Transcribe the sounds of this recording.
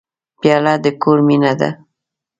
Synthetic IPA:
pjɑlad̪əkoɾminad̪a̰

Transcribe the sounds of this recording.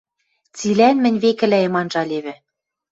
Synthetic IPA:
t͡silænmɘ̆nʲβekɘ̆læemɑnʒɑlʲeβɘ̆

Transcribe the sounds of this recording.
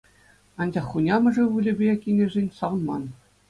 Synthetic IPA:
ɑnʲd͡ʑɑχːunʲɑmɤ̆ʐɘ̆ʋulʲɘ̆bʲekʲinʲɘ̆ʐʲenʲsɑʋɤ̆nmɑn

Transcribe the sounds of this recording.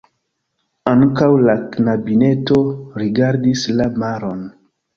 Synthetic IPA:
aŋkawlaknabine̞to̞ɾiɡaɾdislamaɾo̞n

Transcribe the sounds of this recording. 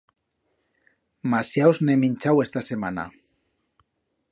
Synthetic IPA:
masjawzneminʲt͡ʃawest̪asemana̰

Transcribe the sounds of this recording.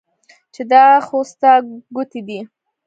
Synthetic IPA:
t͡ʃed̪ɑxost̪aɡʊt̪id̪i

